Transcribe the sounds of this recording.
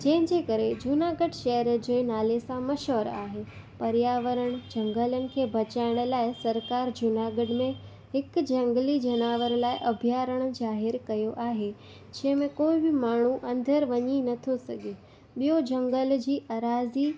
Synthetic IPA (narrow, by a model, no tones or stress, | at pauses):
d͡ʑɐ̃ɦɪ̃ɲd͡ʑeːkɐɾed͡ʑʊnaːɡəɽʃɐɦəɾd͡ʑeːnaːlesãmɐʃəɾa̰ːɦeː | pɐɾjaːʋəɾəɽ̃d͡ʑɐ̃ŋɡələnɪ̆kʰeːbʱɐt͡ɕaːɪɽ̃̆laːɪsɐɾkaːɾd͡ʑʊnaːɡəɖmẽ | hɪkd͡ʑɐ̃ŋɡlid͡ʑɐnaːʋəɾlaːɪʔɐbʱjaːɾəɽ̃d͡ʑaːɦɪɾkɐjoʔaːɦe | d͡ʑɐ̃ɦmẽkoːibɪmaːɳ̤uʔɐ̃nd̪ʱəɾʋɐɲinɐt̪ʰosɐɡʱe | ɓijod͡ʑɐ̃ŋɡəld͡ʑiːʔaɾaːzi